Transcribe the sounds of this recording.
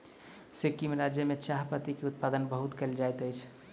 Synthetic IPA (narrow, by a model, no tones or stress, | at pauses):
sekimɾad͡ʒjəmeʃaɦpət̪ikeut̪̚pad̪ənbəɦut̪kəld͡ʒajt̪əjt͡ʃʰ